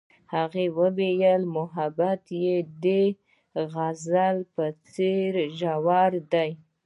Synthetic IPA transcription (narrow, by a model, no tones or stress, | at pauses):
haɣewəwejəlmʊɦabat̪jed̪e | ɣazalpət͡seɾʒawɑɾd̪aj